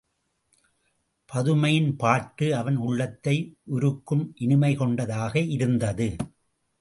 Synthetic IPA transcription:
pʰɐðɯmɐjɪnpaːʈːɯɐʋɐnʊɭːɐt̪ːɐɪʔʊɾɯkːɯmʔɪnɪmɐɪkɔɳɖɐðaːɣɐʔɪɾɯnd̪ɐðɯ

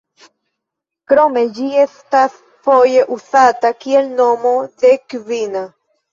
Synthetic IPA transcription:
kɾɔmɛd͡ʑiɛst̪aθ | fɔjɛʔuθat̪akjɛlnɔmɔðɛkβina

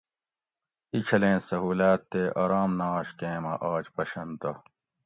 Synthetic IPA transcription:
it͡ɕʰɐlẽːsɐɦuːlaːt̪ːeʔɐːɾaːmnaːɕkẽːmɐ̰ʔaːd͡ʑpɐɕɐnt̪ɐ

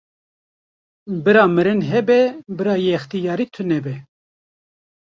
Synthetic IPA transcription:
bɨɾɑːmɨɾɨnɦɛbɛbɨɾɑːjext̪ijɑːɾiːt̪ʰɨnɛbɛ

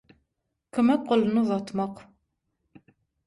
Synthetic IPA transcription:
kəmæqːəlnuðˤɑt̪ːˤməq

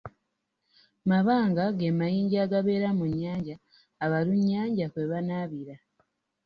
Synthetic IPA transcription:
maβaːŋɡaɡemajiːɲɟaɡaβe̞ːɾamuɲːaːɲɟaː | βaluɲːaːɲɟakweβanaβiɾa

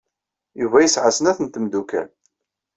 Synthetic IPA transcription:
juvæjəsʕasənæθənt̪əmd̪ukæ̰n

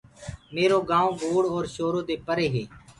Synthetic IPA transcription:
meːɾoːɡãːõːɡoːɽɔːɾʃoːɾoːd̪eːpəɾeːɦeː

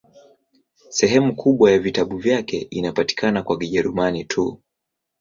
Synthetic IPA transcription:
sɛɦɛmukʰuɓwajavitaɓuvjakɛinapati̥kʰanakwaɡiʄɛɾumanitʰu

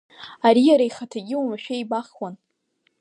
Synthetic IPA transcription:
aɾijaɾaiχatʰaɡʲɪwumaʃᶣejbaχwan

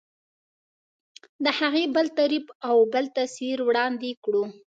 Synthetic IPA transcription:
d̪əhaɣebəlt̪aɾibawbəlt̪asiɾwɽɑnd̪ekɽu

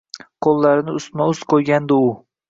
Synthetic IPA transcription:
qʰolˠːaɾɪnɪʊst̪maʊsqʰojɡʲand̪ɪʊ

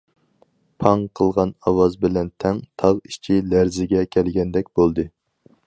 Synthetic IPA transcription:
pʰɑŋqʰəlˠʁɑnɑwɑzbɪlɛnt̪ʰɛŋt̪ʰɑʁiʃt͡ʃʰilæɾzɪɡʲɛkʲʰɛlɡʲɛnd̪ɛkʲbolˠd̪ɨ

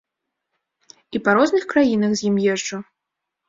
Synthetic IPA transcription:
ipaɾɔznɨxkɾajinɐɣzʲjimjɛʐt͡ʂu

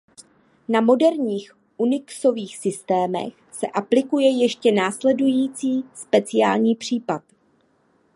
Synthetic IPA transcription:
namo̞dɛɾɲiːx | ʔunɪkso̞viːxsɪst̪ɛːmɛ̰x | sɛʔaplɪkujɛjɛʃcɛnaːslɛdujiːt͡siːspɛt͡sɪa̰ːlɲiːpr̝̥iːpat̪

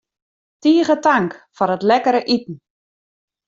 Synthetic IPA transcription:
tiːəɣətaŋkfɔɾətlɛkəɾəʔitn̩

